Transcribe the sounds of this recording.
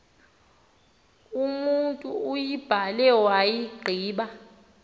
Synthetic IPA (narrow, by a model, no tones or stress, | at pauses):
umuntʼuːjib̥ʱalɛwajiɡ͡ǃʱiːɓa